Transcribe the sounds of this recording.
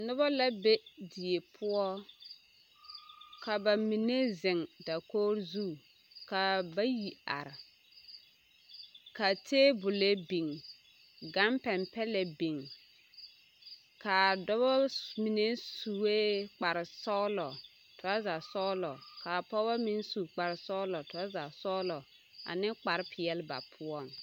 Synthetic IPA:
nʊ˦bɔ˦la˦be˦di˨e˨pʰʊ˦ɔ˦ | ka˨ba˨mi˨ne˦zɪ˨ŋda˨koː˦ɾzu˦ | ka˨ba˦ji˨a̰˨ɾɪ˨ | ka˨tʰeː˦bʊ˨le˦bi˨ŋ | ɡa˦mpɛ˨mpɛ˦lɛ˨bi˨ŋ | ka˨dɔ˦bɔ˦mi˨ne˦su˨we˦k͡pa˨ɾɪ˨sɔ˦lɔ˨ | tʊ˨a˦za˨sɔ˦lɔ˨ka˨pɔ˦ba˦mi˦n˦su˨k͡pa˨ɾɪ˨sɔ˦lɔ˨tʊ˨˦a˦za˨sɔ˦lɔ˨ | a̰˨nɪ˦k͡pa˨ɾɪ˦pʰɪ˨ɛ˨lba̰˨pʰʊ˦ɔ˦˨ŋ

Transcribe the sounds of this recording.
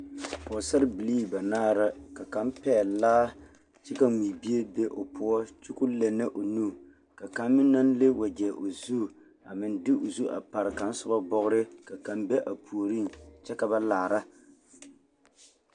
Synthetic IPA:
ɔ˨sa˦ɾɪ˦bi˨li˦˨ba˨naː˦˨ɾa˦ka˨ka˨˦m˦pɛː˦˨laː˦ | t͡ʃɛ˦ka˦ŋ͡mi˨bi˦e˦be˦ʔo˨pʰʊ˦ɔ˦t͡ʃu˦ku˦le˨nɨ˦ʔo˨nu˦˨ | ka˨ka˨mːɪ˦nːa˦nle˦wa˨ɡɛ˨ʔo˨zu˦˨ | a˨mɪ˨n˦dɪ˦ʔo˨zu˦ʔa̰˨pa˨ɾɪ˨ka˨n̩˦sʊ˦ba˦bɔ˦ɣʊ˦ɾɪ˦ka˨ka˨mbɛ˦ʔa˨pʰu˨o˨ɾi˦nt͡ʃɛ˦ka˦ba˦laː˨ɾa˦

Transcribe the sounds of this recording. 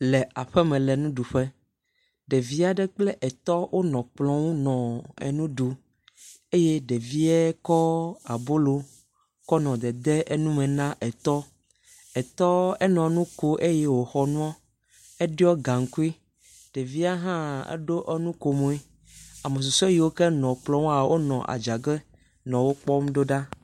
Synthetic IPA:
lɛ˨ʔa˨ɸɛ˦mɛ̃˨lɛ˨nũ˦ɖu˨ɸɛ˦ | ɖɛ˨vi˦a˨ɖɛ˦k͡plɛ˦ʔɛ˨t̪ɔ˦wʔo˦nɔ̃˨k͡plɔ̃˦wu˦nɔ̃˨ɛ̰˨nũ˦ɖu˨ | e˦je˦ɖɛ˨vi˦ɛ˦kɔ˦a˨bo˦lo˨ | kɔ˦nɔ̃˨d̪ɛ˨d̪ɛ˦ʔe˦nũ˦mɛ̃˨nã˦ʔɛ˨t̪ɔ˦ | ɛ˨t̪ɔ˦ɛ˦nɔ̃˨nũ˦ko˦ʔe˦jɛ˦wo˨xɔ˨nũ˦ɔ˦ | ɛ˦ɖi˦ɔ˦ɡa˨ŋ̩˨ku˦i˦ | ɖ̥e˨vi˦a˦ɦã˦ɛ̰˦ɖo˦ʔɛ˦nũ˦ko˨mõ˨i˦ | a˨me˨s̬u˨sɔ˦ji˨˦wo˦kɛ˦nɔ̃˨k͡plɔ̃˦wu˦a˨wo˦nɔ̃˨ʔa̰˨d͡ʒa˨ɡɛ˦ | nɔ̃˨wo˦k͡pɔ˦m˦ɖo˦ɖa˦

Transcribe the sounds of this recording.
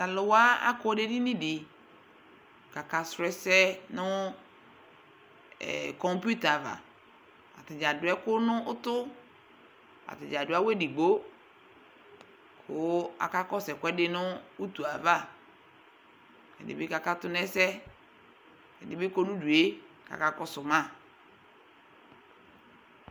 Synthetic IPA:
ta˨lʊ˨wa˦a̰˦kɔ˦de˦di˦nĩ˦dɪ˨ | ka˨ka˨sɾɛ˨sɛ˦nʊ˦˨ | kɔ˨mpu˦ta˨va̰˨ | a̰˨tɪ˨d͡ʒa˨dʊ˨ɛ˦kʊ˦nʊ̃˦ʔʊ˦tʊ˦ | a̰˨tɪ˨d͡ʒa˨dʊ˨˦a˦we˦di˨ɡ͡bo˦ | kʰʊ˦a̰˨ka˦kɔ˦sɛ˨kʷɛ˦dɪ˦nʊ̃˦u˦tu˨a˨va˦˨ | ɛ̰˨dɪ̰˨bɪ˦ka˨ka˦tʊ˦nɛ˦sɛ˦ | ɛ˨dɪ˨bɪ˦ko˦nʊ̃˦du˨e˦ | ka̰˨ka˦kɔ˦sʊ˨mã˦˨

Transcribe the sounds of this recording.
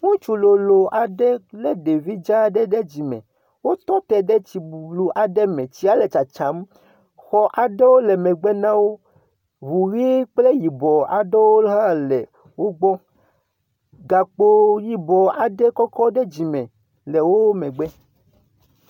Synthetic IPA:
ŋũ˦t͡ʃu˨lo˨lo˨ʔa˨ɖɛ˦lɛ˦ɖe˨vi˦d͡ʒa˦ɖɛ˦ɖe˦d͡ʑi˨mɛ̰̃˨ | wo˦t̪ɔ˦t̪ɛ˨ɖɛ˦t͡ɕi˨bu˨blu˦ʔa˨ɖɛ˦mɛ̃˨t͡ɕi˦a˦le˨t͡ʃa˨t͡ʃa˨˦m | xɔ˦ʔa˨ɖɛ˦wo˦lɛ˨mɛ̃˨ɡ͡bɛ˦nã˦wo˦ | βu˨ɣi˦k͡ple˦ji˨bɔ˨a˨ɖɛ˦wo˦ɦã˦lɛ˨ | wo˦ɡ͡bɔ˦ | ɡa˨k͡po˦ji˨bɔ˨a˨ɖɛ˦kɔ˦kɔ˦ɖɛ˦d͡ʑi˨mɛ̃˨ | lɛ˨wo˦mɛ̃˨ɡ͡bɛ˦

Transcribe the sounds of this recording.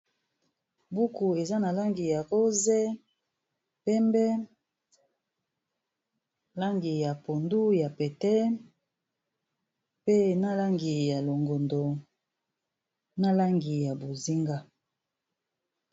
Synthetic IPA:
bu˦ku˨e˨za˦na˨la˦ŋɡi˨ja˨ɣo˦zɛ˦ | pɛ˦mbɛ˦ | la˦ŋɡi˨ja˨po˨ndu˦ja˨pɛ˨tɛ˦ | pe˦na˦la˦ŋɡi˨ja˨lo˨ŋɡo˨ndo˨ | na˦la˦ŋɡi˨ja˨bo˨zi˦ŋɡa˦

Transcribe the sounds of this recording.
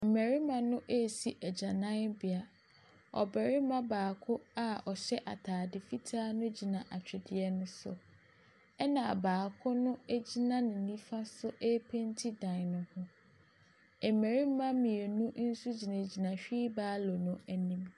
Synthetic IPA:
m̩˨me˨ɾi˦mã˨nʊ̃˦ʔe˦˨si˨ʔæ˨d͡ʑa˨nã˦nbɪ˨a˨ | ɔ̰˨bɛ˨ɾɪ˦mã˦baː˨kʰʊ˦a˦ɔ˨ɕɛ˦ʔa̰˨tʰaː˨dɪ˨fi˦tʰaː˦nʊ̃˦d͡ʑi˨nã˨ʔa˨t͡ɕᶣɪ˨dɪ˨ɛ˦nʊ̃˦sʊ̰˨ | ɛ˦nã˨baː˨kʰʊ˦nʊ̃˦e˦d͡ʑi˦nã˦nɪ̃˨nĩ˦fa˦sʊ˦ʔe˦pʰe˦ntʰi˦dã˨n˨nʊ̃˨hʊ̃˦ | ɛ˨m̩˨me˨ɾi˦mã˦mĩ˨e˨nũ˦n̩˦su˦d͡ʑi˨nã˨d͡ʑi˨nã˨ɕᶣiː˦baː˦lɔ˨nʊ̃˦æ˦nĩ˦m

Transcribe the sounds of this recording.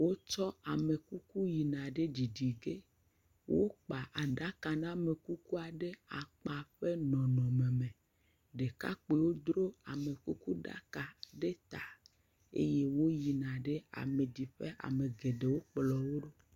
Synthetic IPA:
wo˦t͡ʃɔ˦a˨me˨ku˦ku˦ji˨nã˨ɖe˦d͡ʑi˨di˨ɡe˦ | wʔo˦k͡pa˨ʔa˨ɖa˦ka˨nã˦me˨ku˦ku˦a˨ɖe˦a˨k͡pa˨ɸe˦nɔ̃˨nɔ̃˨me˨mẽ˨ | ɖe˨ka̰˦k͡pe˨wo˦d̪ɾo˦a̰˨me˨ku˦ku˦ɖa̰˦ka˨ɖe˦t̪a˨ | ḛ˦je˦wo˦ji˨nã˨ɖe˦a̰˨me˨di˨ɸe˦ʔa̰˨me˨ɡe˨ɖe˨wo˦k͡plɔ˨wo˦ɖo˦

